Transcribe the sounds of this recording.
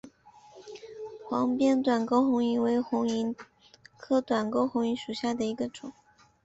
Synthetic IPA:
xwɑ˧˥ŋpjɛ˥˧nt̪wa˨˩nko˥ʊxʊ˧˥ŋi˧˥nwe˧˥ɪxʊ˧˥ŋi˧˥n | kʰɤ˥˩t̪wa˨˩nko˥ʊxʊ˧˥ŋi˧˥nʂu˨˩ɕja˥˩d̪ə˩i˧˥ɡə˧ʈ͡ʂʊ˨˩˦ŋ

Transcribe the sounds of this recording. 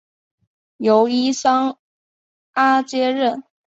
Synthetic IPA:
jo˧˥ʊi˥sɑ˥ŋ | a˥t͡ɕjɛ˥ɻə˥˩n

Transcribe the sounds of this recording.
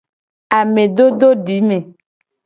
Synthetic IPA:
a˨me˨ɖ̪o˦do˦ɖi˨˦me˨

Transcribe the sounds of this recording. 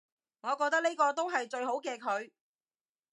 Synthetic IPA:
ŋɔː˨˧kɔː˧k̚t̪ɐ˥k̚ne˥kɔː˧t̪o˥wɦɐ˨jt͡ʃɵ˧ɥɦo˨˥wkɛː˧kʰɵ˨˧ɥ

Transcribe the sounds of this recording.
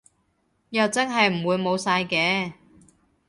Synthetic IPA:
jɐ˨wt͡sɐ˥ŋɦɐ˨jm̩˨˩wuː˨˧jmo˨˧wsaː˧jkɛː˨˧˥

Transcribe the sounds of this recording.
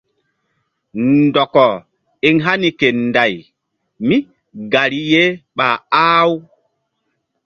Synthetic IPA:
ndɔ˨kɔ˨ | i˦ŋɦa˦ni˨ke˨nda˨j | mi˦ | ɡa˨ɾi˦je˦ɓa˨aː˦w

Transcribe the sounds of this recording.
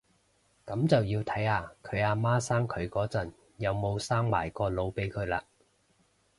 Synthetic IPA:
kɐ˨˥mt͡sɐ˨wjiː˧wt̪ʰɐ˨˥jaː˧kʰɵ˨˧ɥaː˧maː˥saː˥ŋkʰɵ˨˧ɥkɔː˨˥t͡sɐ˨˩n | jɐ˨˧wmo˨˧wsaː˥ŋma̰ː˨˩jkɔː˧lo˨˧wpe˨˥jkʰɵ˨˧ɥla̰ː˧

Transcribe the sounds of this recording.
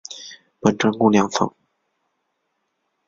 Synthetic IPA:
pə˨˥˩ʈ͡ʂə˥ŋkʊ˥˩ljɑ˧˥ŋfɤ̰˧˥˦ŋ

